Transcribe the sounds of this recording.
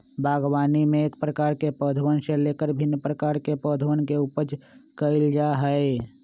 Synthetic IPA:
bʱaːɡwaːnimẽeːkpɾəkaːɾkepəd̪ʱʋənsẽleːkəɾbʱɪnːpɾəkaːɾkepəd̪ʱwənkeupəɾt͡ʃkəɪld͡ʒaɦəe

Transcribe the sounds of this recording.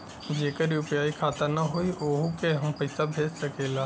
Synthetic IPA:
d͡ʒeːkəɾiʊpjaːikʰaːt̪ənɐɦoiʔoːɦokeɦɐmpɐɪsabʱeːd͡ʒsɐkeːlaː

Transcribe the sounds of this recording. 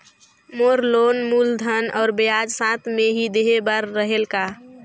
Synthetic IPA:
moɾlonmuːld̪ʱənɔːɾbəjad͡ʒsãt̪ʰmeɦid̪eɦebaɾːəɦelka

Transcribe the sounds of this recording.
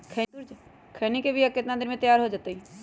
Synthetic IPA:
kʰɛ | kʰeːnikebʱiɐkːet̪nad̪ɪɾmẽt̪əjaːɾɦod͡ʒaːt̪ei

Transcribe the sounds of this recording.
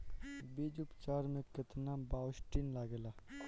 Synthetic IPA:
beːd͡ʒʊpt͡ʃaːɾmẽkət̪nabaːwsʈinlaːɡela

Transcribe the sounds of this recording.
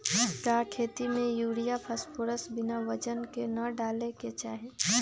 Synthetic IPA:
kakʰeːt̪imẽjuːɽijapʰəspʰoɾəsbɪnaʋət͡ʃənkenəɖaːleket͡ʃaːɦe

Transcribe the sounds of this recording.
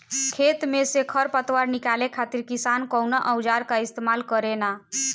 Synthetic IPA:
kʰet̪mesekʰəɾpət̪waɾnikalekʰat̪iɾkisankəwnaʔəwd͡ʒaɾkaist̪emalkəɾena

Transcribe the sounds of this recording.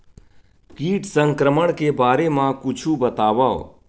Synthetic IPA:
kiːʈsə̃ŋkɾəməɽ̃kebaːɾemãkʊt͡ʃʰubət̪aːʋa̰

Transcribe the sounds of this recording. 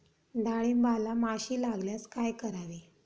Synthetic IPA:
d̪aɭimbalamaɕiːlaɡljat͡skajkəɾaʋe

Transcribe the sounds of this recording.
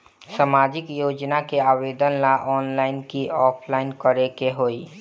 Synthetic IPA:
samaːd͡ʒɪkjoːd͡ʒnakeaːweːd̪ənlaʔɔːnlaːɪnkiɔːpʰlaːɪnkəɾekeɦoːi

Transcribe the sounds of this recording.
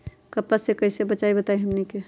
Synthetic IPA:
kəpːəsekəisebət͡ʃaibət̪aiɦəmnike

